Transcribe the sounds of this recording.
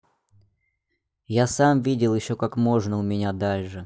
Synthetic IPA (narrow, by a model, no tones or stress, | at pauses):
jasamvʲidʲɪlˠjɪɕːo̞kakmo̞ʐnəʊmʲɪnʲad̪alʲʂɨ